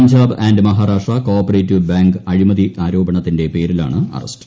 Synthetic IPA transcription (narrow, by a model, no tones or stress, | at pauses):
ɲd͡ʑaːbaːndɨmɐɦaːɾaːʂʈrɐkoːpːɐreːtːiʋbaːŋɡɨɐɻimɐðiʔaːɾo̞ːbɐɳɐt̪ːinde̞pe̞ːɾila̰ːɳɨɐ̰rɐ̰st